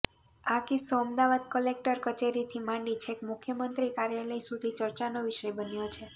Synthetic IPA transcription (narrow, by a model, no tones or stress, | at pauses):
akisoəmd̪aʋad̪̚kəlek̚ʈəɾkət͡ʃeɾit̪ʰimãɳɖit͡ʃʰekmʊkʰjəmənt̪ɾikaɾjaləjsud̪ʱit͡ʃəɾt͡ʃanoʋiʃəjbənjot͡ʃʰe